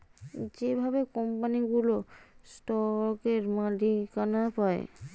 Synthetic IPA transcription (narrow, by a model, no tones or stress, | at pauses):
d͡ʑebʱabekɔmpaniɡulosʈɔkeɾmãɖʱikanapaḛ